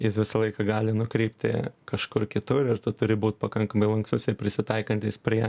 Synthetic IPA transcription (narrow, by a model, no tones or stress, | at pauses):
jɪsʋʲɪsɐlˠɐɪkɐɡɑːlʲɪnʊkɾʲɛɪpʲt̪ʲɪ̰kɐʃkʊrkʲɪt̪ʊrɪrt̪ʊt̪ʊɾʲɪbuːt̪̚pɐkɐŋkɐmɐɪlˠɐŋkst̪ʊsʲɛɪpʲɾʲɪsʲɪt̪ɐɪkɐnʲt̪ʲispʲɾʲiɛ